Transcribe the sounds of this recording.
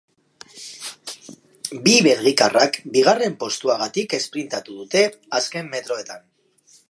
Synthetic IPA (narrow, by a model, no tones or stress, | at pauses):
biβe̞ɾɣikarakbiɣ̞are̞mpo̞st̪uaɣat̪ike̞spɾint̪at̪uðut̪e̞ | aske̞mːet̪ɾo̞e̞t̪an